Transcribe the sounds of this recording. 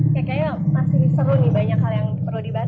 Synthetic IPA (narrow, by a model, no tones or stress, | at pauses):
jakajamasɪsəɾunɪbaɲakhaljaŋp̪ərludiba